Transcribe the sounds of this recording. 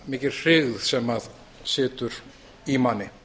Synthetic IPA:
mɪːcɪɾr̥ɪɣðsɛmːað | sɪːt̪ʏɾ̥ | imanːɪ

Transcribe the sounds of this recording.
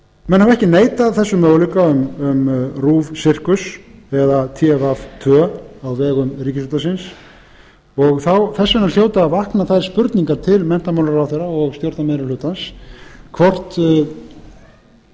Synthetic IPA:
mɛnhavɛhcɪneːjt̪aðθɛsːʏmœɣlikaʏmʏmruːvsɪr̥kʏsɛðat̪ʰjɛːvavt̪ʰœːawvɛːɣʏmɾiːcɪslʏt̪asɪns | ɔɣθawθɛsːvɛnːaljoːwt̪aːvahknaθajɾspʏɾt̪niŋkaɾ̥t̪ʰɪlmɛn̥t̪amawlaɾawθejraɔɣst̪jowɾt̪nameːjɾɪlʏːt̪anskʰvɔr̥t̪

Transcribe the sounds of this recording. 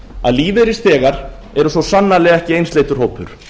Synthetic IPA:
a̰ðliːveɾɪst̪θɛːɣaɾ̥ | ɛɾʏsɔsanːalɛːɣaɛhcɪejnst̪leːjt̪ʏɾ̥ɦowpʏ̰ɾ̥

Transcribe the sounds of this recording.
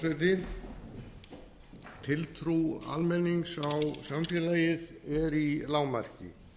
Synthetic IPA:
sœt̪̬ɪ | t̪ʰɪlt̪ʰɾua̰lmɛnːiŋksawsamfjɛːlajɪðɛɾilaːwmar̥cɪ̰

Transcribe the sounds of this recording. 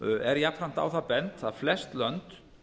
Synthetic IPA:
ɛɾjapfɾan̥t̪a̰ːwθapɛnt̪θaðflɛst̪lœnt̪

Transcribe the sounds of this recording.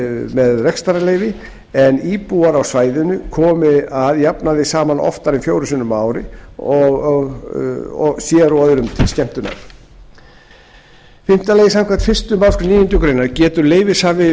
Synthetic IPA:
mɛðrɛkst̪aɾaleːjvɪ | ɛniːpuaɾawsvaːjðɪnʏkʰɔːmɪaðjapnaðɪsaːmanɔ̰ft̪aɾifjowɾʏsinʏmaːwɾɪ̰ɔɣɣ | ɔsjɛːɾœðɾʏmt̪ʰɪlscɛm̥t̪ʏna̰ɾ | fɪm̥t̪alejɪsamkʰvat̪fɪr̥st̪ʏmalskʏɾniːjʏnt̪ʏkɾejnːaɾcɛːt̪ʏɾleːjvɪsavɪ

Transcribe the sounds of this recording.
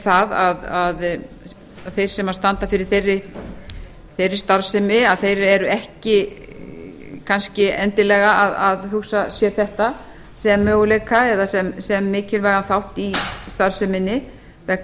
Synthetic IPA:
θaðaðað | aðθejɾ̥sɛmast̪ant̪afɪɾɪɾ̥θejrːɪ | θejrːɪ̥st̪aɾsʏmɪaðθejɾɛɾʏɛhcɪ | kʰanscɪɛnt̪ɪlɛɣaaðaðɦʏxsasjɛɾ̥θɛht̪a | sɛmːœːɣʏlejkaɛðasɛmsɛmːɪːcɪlvɛɣanθawht̪ist̪aɾsʏmɪnːɪ | vɛk

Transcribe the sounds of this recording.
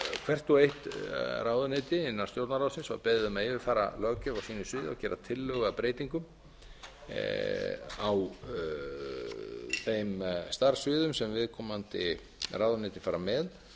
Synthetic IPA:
kʰvɛr̥t̪uejht̪raːwðʏneːt̪ɪɪnːḁst̪jowɾt̪naɾawsɪnsva̰pɛjðɪðʏmaɪvɪfaːɾa̰lœɣcɛvawsiːnʏsʏːðɪawcɛːɾa̰t̪ʰɪlːœɣapɾeːjt̪iŋkʏm | aw | θejmst̪aɾ̥sʏːðʏmsɛmvɪðkʰɔːmant̪ɪ | rawðʏnɪːt̪ɪfaːɾamɛð

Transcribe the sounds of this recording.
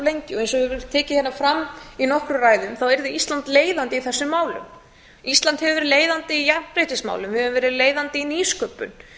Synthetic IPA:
lejɲcɪɔejnsɔɪɛvɛɾt̪ʰɛːcɪhɛnːafɾamːinɔhkɾʏraːjðʏmθawɛɾðɪist̪lant̪leːjðant̪ɪiθɛsːʏmːaːwlʏ̰m | ist̪lant̪hɛvɪvɛɾɪleːjðant̪ɪijḁpɾet̪ɪsma̰wlʏmvɪhɛvʏmvɛːɾɪleːjðant̪ɪiniːskœːpːʏ̰n

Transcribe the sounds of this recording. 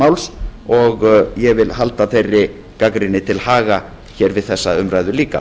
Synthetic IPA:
aːwlsɔɣjɛvɪlhalt̪aθejrːɪ | kakɾɪnːɪt̪ʰɪlhaːɣa | çɛɾvɪðθɛsːaʏmɾaːjðʏliːka̰

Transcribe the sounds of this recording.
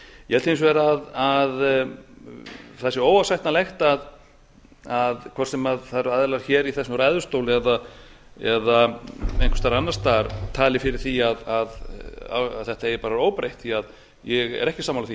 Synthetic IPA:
jɛhɛlt̪ɪens̬vɛɾaːðað | θasɛoːwawsajht̪nalext̪að | aðkʰvɔr̥sɛmaðθaɾʏaðɛlaɾ̥çɛːɾiθɛsːʏmrajðʏ̥st̪owlɛða | ɛðaejŋkʰst̪aːɾanːḁst̪aːɾt̪ʰaːlɪfɪɾɪɾ̥θiaðaða̰θɛht̪aɛjɪpaːɾaoːwpɾejht̪θiað | jɛɣɛ̰ɾɛhcɪsaːmawlaθi

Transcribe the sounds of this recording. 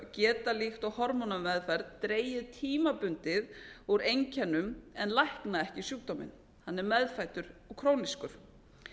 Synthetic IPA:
cɛːt̪alixt̪ɔɣhɔɾmɔnamɛðfɛɾðt̪ɾeːjɪðt̪ʰiːmapʏnt̪ɪðuɾejɲcʰɛnːʏmɛnlajhknaɛhcɪsjuːk̚t̪oːmɪ̰n | hanːɛɾmɛðfajt̪ʏɾ̥ɔɣkʰɾoːwniskʏɾ̥

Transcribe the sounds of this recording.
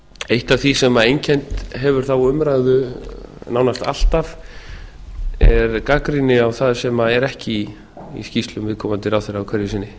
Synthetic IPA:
ejht̪avθisɛmaejncʰɛnt̪ɦɛvʏɾ̥θawʏmɾaɣðʏnaːwnast̪a̰l̥t̪av | ɛɾkakɾinɪawθaðsɛmaɛɾɛhcɪ | ḭscist̪lʏmvɪðkʰɔːmant̪ɪɾawθeɾawkʰvɛɾðjɪsɪnːɪ

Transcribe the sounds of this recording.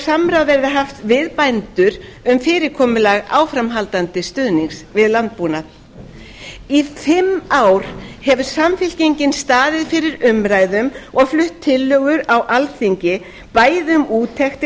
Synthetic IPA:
samɾaðvɛɾðɪɦaft̪vɪðpajnt̪ʏɾʏmfɪːɾɪɾkʰɔːmʏlaɣaːwfɾamɦalt̪ant̪ɪst̪ʏðniŋsvɪðlant̪̚puːnat̪n | ifɪmːaːwɾ̥hɛvʏ̥samfɪl̥cejɲcɪnst̪aːðɪðfɪɾɪɾʏmɾaːjðʏmɔɣflʏht̪ʰːɪlːœɣʏɾawʔalθiɲcɪ | paːjðʏmuːt̪ʰɛxt̪

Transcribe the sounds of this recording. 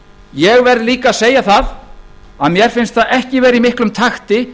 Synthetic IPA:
jɛɣvɛɾðliːkaːseːjaθað | aðmjɛɾ̥fɪnst̪θaɛhcɪvɛːɾɪimɪhklʏmt̪ʰaxt̪ɪ

